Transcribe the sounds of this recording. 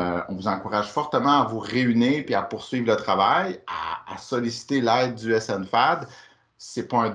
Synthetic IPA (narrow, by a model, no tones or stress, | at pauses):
ɔ̃vuzɑ̃kuʁaʒ̥fɔʁt̪əmɑ̃avuʁeyniːʁpiapʊʁsɥivlət̪χavaja̰ːsɔlisi̥t̪elɛɪd̪̚ːyɛsɛnfad̪ | sɛpɔɛ̃